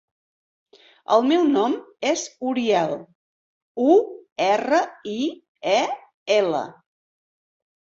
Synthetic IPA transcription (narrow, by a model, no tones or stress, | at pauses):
ə̰lˠmɛwnɔmezuɾiɛlˠ | uɛrəi | ɛ | elə̰